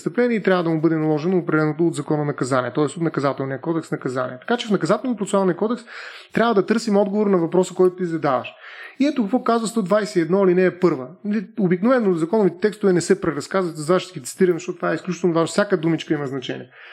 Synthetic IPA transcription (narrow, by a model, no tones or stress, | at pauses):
st̪əplɛniɛit̪ɾʲabvəd̪ɐmʊbɤd̪ɛnɐlˠɔʒɛnoːpɾɛd̪ɛlɛnot̪oːd̪zɐkɔnɐnɐkɐzaniɛt̪ɔɛst̪ot̪nɐkɐzat̪ɛlˠniəkɔd̪ɛksnɐkɐzanḭɛt̪ɐ̥kat͡ʃɛfnɐkɐzat̪ɛlˠnʲəpɾot̪salˠnijəkɔd̪ɛkst̪ɾʲabvəd̪ɐt̪ɤɾsimɔd̪ɡovoɾnɐvɐpɾɔsəkɔjt̪ʊt̪izɐd̪avɐ̰ʃiɛt̪ʊkəkvɔkazvəst̪ɔd̪vajsɛiɛd̪nɔlinɛːpɤɾvəliobiknovɛnːozɐkɔnʊvit̪ɛt̪ɛkst̪ʊvɛnɛsɛpɾɛɾɐskazvət̪zvaʃɡʲit̪si̥t̪iɾɐmzəʃtɔt̪ʊt̪vaɛisklʲut͡ʃit̪ɛlˠnvaʒnofsʲakəd̪umit͡ʃkəimɐznɐt͡ʃɛnḭɛ